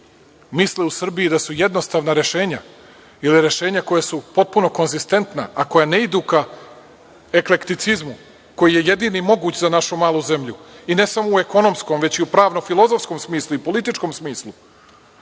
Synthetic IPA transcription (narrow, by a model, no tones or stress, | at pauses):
misleusr̩bijid̪asujed̪nost̪aːʋnaɾe̞ʃe̞ːɲa | iliɾe̞ʃe̞ːɲako̞jasupo̞t̪̚puno̞ko̞nzist̪e̞nt̪na̰ako̞jane̞id̪uːka | ekle̞kt̪it̪sizmu | ko̞jije̞je̞d̪iːnimo̞ɡuːt͡ɕzanaʃumaːlˠuze̞mʎuine̞samoue̞ko̞no̞msko̞mʋe̞t͡ɕiupɾaːʋnofilˠo̞zo̞fsko̞msmiːsluipolit̪it͡ʃko̞msmiːslˠu